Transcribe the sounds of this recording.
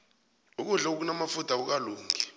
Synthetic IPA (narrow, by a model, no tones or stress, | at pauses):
uk̬uɮak̬uk̬unamafutʰak̬uk̬aluːŋʰʱi